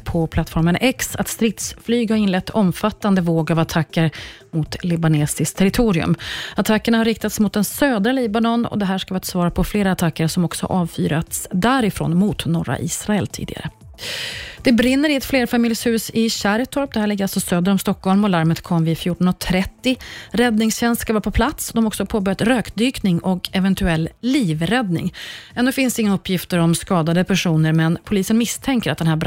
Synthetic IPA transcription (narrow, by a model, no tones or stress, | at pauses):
pʰɔpʰlat̪ːfɔɾmənʔɛksa̰t̪st̪ɾɪt̪sflyːɡhaɾɪnlɛt̪ːʰɔmfat̪ːand̪əvoːɡavat̪ʰakːəɾ | mʊt̪lɪbaneːsɪst̪ʰɛɾɪt̪ʰuːɾɪɵ̰mat̪ʰakːəɳahaɾːɪkt̪at̪smʊt̪̚d̪ɛnsøːd̪ɾaliːbanɔnɔ̰d̪ɛɦæːʂkavɪat̪svɑːɾapʰɔfleːɾaːt̪ʰakːəɾsɔmɔksɔ̰ʔɑːvfy̰ːɾat̪sd̪æːɾɪfɾo̰ːnmʊt̪nɔɾa̰ʔḭːsɾaɛlt̪ʰḭːd̪ɪ̰ɡa̰ɾə | d̪̥ɛbɾɪnːəɾɪɛt̪fleːɾfamɪljshʉ̟ːsɪɕæɾt̪ʰɔɾp̚d̪ɛhæːɭɪɡəalsɔsøːd̪əɾɔmst̪ɔkʰːɔlmɔlaɾmət̪kʰɔmvɪfjuːʈɔnɔt̪ʰɾɛt̪ːɪɾɛd̪nɪŋsɕɛnst̪skavɑːpʰɔpʰlat̪sd̪ɔmɔksɔpʰoːbœɾjat̪ɾøːkd̪yːknɪŋɔkɛvɛnt̪ɵɛlːliːvɾɛd̪nɪ̰ŋɛnːʉːfɪnsd̪ɛɪŋːnɵpʰːjɪft̪əɾɔmskɑːd̪ad̪əpʰæʂuːnəɾmɛnpʰʊliːsənmɪst̪ʰɛŋkəɾat̪d̪ɛnɦæːb